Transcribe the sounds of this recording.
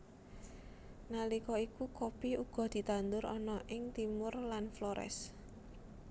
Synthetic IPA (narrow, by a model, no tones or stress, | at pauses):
nalikɔikukopiuɡ̥ɔ̤d̪̥i̤t̪and̪ʊɾɔ̰nɔʔɪŋt̪imʊrlanflɔɾɛ̰s